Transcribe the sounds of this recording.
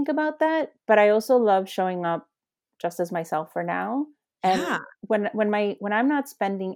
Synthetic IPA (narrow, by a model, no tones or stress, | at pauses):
ŋkɨbaʊt̪̚ðæt̚b̥ʌɾaɪɔlˠsoʊlʌv̥ʃoʊɪ̃ŋʌp̚ | d̥ʒ̥ʌstɨzmaɪsɛlˠfə˞na̰ʊ | ɨ̃nwə̃nwə̃nmaɪwə̃ɾ̃ãɪ̃mnətspɛ̃ndɪ̃ŋ